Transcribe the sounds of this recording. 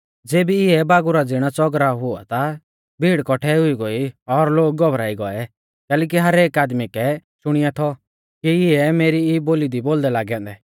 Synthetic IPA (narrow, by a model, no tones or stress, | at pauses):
d͡zeːbiɪɛbaːɡʊɾad͡zɪɽ̃at͡sɔɡɾaɦʊa̰t̪a | bʱiːɽkɔʈʰɛʊiɡoiɔɾloːɡ̚ːɔbɾaːiɡɔɛ | kɛːlɛːk̬iɦɐɾeːkaːd̪mikɛʃʊɽ̃ɪjat̪ʰɔ | kiɪɛmeːɾiiboːlid̪iboːld̪ɛlaːɡãːnd̪ɛ